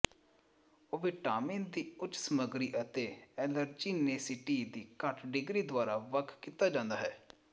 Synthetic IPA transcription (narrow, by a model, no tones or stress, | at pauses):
oːʋeːʈaːmẽːnd̪iːʊt͡ʃːsəməɡɾiːʔət̪eːɛːləɾd͡ʒiːneːsɪʈiːd̪iːkəʈʰɖɪɡɾiːd̪ʊaːɾaːʋəkʰkiːt̪aːd͡ʒãːnd̪aːɦɛː